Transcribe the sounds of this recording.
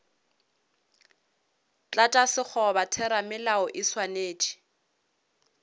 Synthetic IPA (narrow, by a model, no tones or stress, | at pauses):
t͡ɬʼatʼasɪk͡xʰɔbatʰɛɾamɪlaɔʔɪswaneːt͡ʃʼi̥